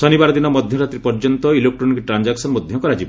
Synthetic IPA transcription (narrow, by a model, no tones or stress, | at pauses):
sɔnibaɾɔd̪inɔmɔd̪ʱjɔɾat̪ɾipɔɾd͡ʒɔnt̪ɔilok̚ʈonkiʈɾand͡ʒaksɔnmɔd̪ʱjɔŋkɔɾad͡ʒibɔ